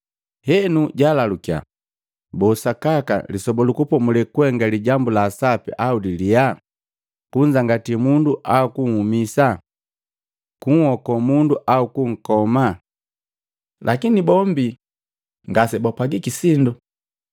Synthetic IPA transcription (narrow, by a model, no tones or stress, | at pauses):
hɛnuɟalalukja̰ | bɔsakaka̰lisɔbɔlukupɔmulɛkwɛŋɡaliɟambulaːsapɛ̰ʔaudilia | kuɲd͡ʒaŋɡatimunduʔaukuŋ̩humisa | kuŋhɔkɔmunduʔaukuŋ̩kɔma | lʔakinibɔmbi | ŋɡasɛbapaɡikisindu